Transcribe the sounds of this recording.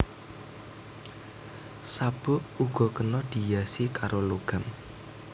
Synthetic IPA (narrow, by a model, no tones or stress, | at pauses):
sab̥ʊʔuɡ̥ɔ̤kənɔd̪̥i̤jasikaɾoloɡ̥a̤m